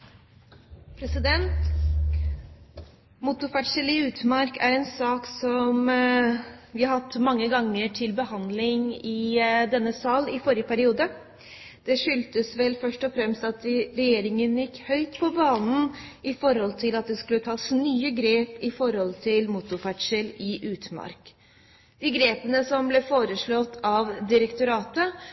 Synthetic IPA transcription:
pʰɾɛsɪd̪ɛnt̪ | mʊt̪ʊfæʈʂəlɪʉːt̪mɑɾkʰæɾɛnsɑːksɔm | ʋɪhɑhɑt̪ːmɑŋːəɡɑŋːəʈʰɪlbəhɑnd̪lɪŋɪd̪ɛnːəsɑːlɪfɔɾjəpʰæɾɪuːd̪ə | d̪̥ɛʂʏlt̪əsʋɛlfœʂʈɔfɾɛmst̪ɑt̪ɾɛjeːɾɪŋənjɪkːhœʏt̪pʰɔbɑːnn̩ɪfɔɾhɔlt̪ʰɪlɑt̪̚d̪ɛskʉlːət̪ʰɑːsnyːəɡɾeːpɪfɔɾhɔlt̪ʰɪlmʊt̪ʊfæʈʂəlɪʔʉːt̪mɑ̰ɾk | d̪̥ɪɡɾeːpənəsɔmblɛfoːɾəʂɭɔt̪ːɑʋd̪ɪɾəkt̪ʊɾɑːt̪ə

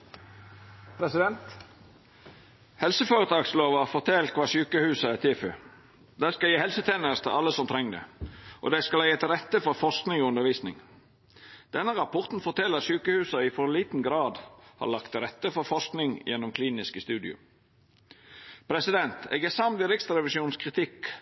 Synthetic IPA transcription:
pʰɾɛsɪd̪ɛnt̪ | hɛlsəføːɾət̪ʰɑːɡsloːʋɑfɔt̪ʰɛlkʰʋɑːsyːkəhʉːsɑæt̪ʰeːfø | d̪æɪskɑljiːhɛlsət̪ʰeːnəɾst̪ʰɪlʔɑləsɔmt̪ʰɾɛŋd̪ə̰ʔo̰ːd̪æɪskɑlæɪət̪ɾɛt̪ːəfɔɾfɔʁsknɪŋɔʉnəʁɾʋiːsnɪ̰ŋ | d̪̥ɛnəʁɑpʰɔʁt̪n̩fɔʁt̪ʰɛləsyːkəhʉːsɑɪfɔʁliːt̪n̩ɡɾɑːd̪hɑ̰ʁlɑkt̪ɾɛt̪ːəfɔɾfɔsknɪŋjɛnːʊmkʰliːnɪskəst̪ʉːd̪ɪ̰ʊ̰ | pʰɾɛsɪd̪ɛnt̪ɛ̰ɡɛsɑmd̪ɪɾɪksɾɛʋɪsuːnskʰʁɪt̪ʰɪk

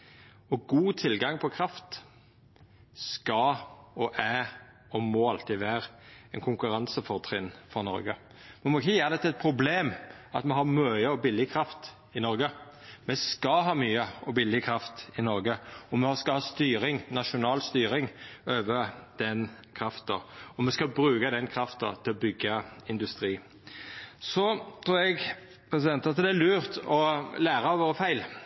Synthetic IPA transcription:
ɔɡuːt̪ʰɪlɡɑŋpʰɔkʰɾɑft̪ | skɑɔʔæː | ɔmɔɑlt̪ɪʋæːɾɛnkʰʊŋkʉɾɑnsəfɔʁt̪ʰɾɪnfɔʁnɔ̰ɾɡə | mɛnmɔɪçəjæːʁd̪ɛt̪əɛt̪̚pʰɾʊbleːmɑt̪mɛɦɑʁmœʏəɔbɪlːɪkʰɾɑft̪ | ɪnɔɾɡə | mɛskɑɦɑːmyːəɔbɪlːɪkʰɾɑft̪ɪnɔɾɡəɔmɛskɑhɑːst̪yːɾɪŋnɑʃʊnɑːlst̪yːɾɪŋøːʋəd̪̥ɛn | kʰɾɑft̪ɑ̰ɔmɛskɑbɾʉːkəd̪ɛnkʰɾɑft̪ɑ̰t̪ʰɪlɔbʏɡːəɪnd̪ʉst̪ɾiː | sɔt̪ʰɾuːɾɛɡ | pʰɾɛs̬ɪd̪ɛnt̪ɑt̪d̪ɛːlʉːɾt̪ɔlæːɾɑʋoːɾəfæɪl

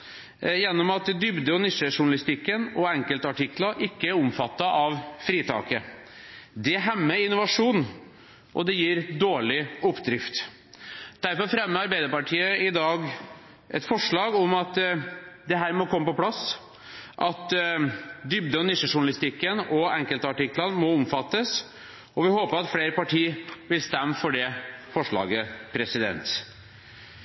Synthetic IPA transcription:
jɛnːɔmɑt̪d̪ʏbd̪əɔnɪʂəʂʊɳɑlɪst̪ɪkːənɔɛŋkəlt̪ɑʈɪklɑʔɪkːəæɾʊmfɑt̪ːɑʔɑʋfɾiːt̪ʰɑ̰ːkə | d̪ɛɦɛmːəɪnːʊʋɑʂuːn | ʔɔd̪ɛjiːɾd̪oːɭɪʊpːd̪ɾɪft̪ | d̪̥æɾfɔɾfɾɛmːəɑɾbæɪd̪əɾpɑʈʰiːəɪd̪ɑːɡ | ʔɛ̰t̪fɔʂɭɑːɡɔmɑt̪d̪ɛɦæːɾmɔkʰɔmːəpɔpʰlɑs | ʔɑt̪ | d̪ʏb̚d̪əɔnɪʂəʂʊɳɑlɪst̪ɪkːənɔɛŋkəlt̪əɑʈɪkːlənmɔɔmfɑt̪ːəs | ɔʋɪhoːpəɾɑt̪fleːɾəpɑʈʰiːʋɪlst̪ɛmːfɔɖɛfɔʂɭɑ̰ːɡəpʰɾɛsɪd̪ɛ̰nt̪

